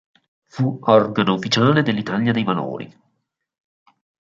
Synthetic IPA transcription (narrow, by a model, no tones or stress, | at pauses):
fuɔrɡanoufit͡ʃaːled̪elːit̪aljad̪ejvano̰ːɾḭ